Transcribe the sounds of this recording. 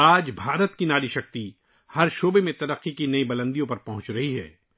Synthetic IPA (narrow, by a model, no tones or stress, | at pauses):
aːd͡ʒbʱaːɾət̪kinaːɾiʃɐk̚t̪i | hɐɾʃoːbemẽt̪ɐɾəqːikinɐĩbɐlə̃nd̪ijõpɐɾpɐɦʊ̃t͡ʃɾɐɦiɦɛ̰ː